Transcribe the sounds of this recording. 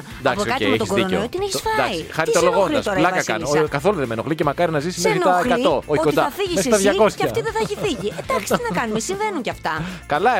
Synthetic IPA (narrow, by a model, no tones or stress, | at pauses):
d̪ɐkposkɐt̪meçt̪osɡoðiɾoneot̪ineçisfɐd̪ɐksiixɐɾit̪oloɣonlɐ̰sɾlɐkɐkɐ̰nokɐθo̞luðemenoɣlicemɐkɐɾinɐzismeinoɐelkɐt̪o̞oçiokoid̪ɐɐfiʝisest̪ɐðʝɐko̞ssɐɐft̪iðeθɐeçifiʝied̪ɐçist̪inɐkɐnumesiɱve̞nuɲceɐft̪ɐkɐlɐ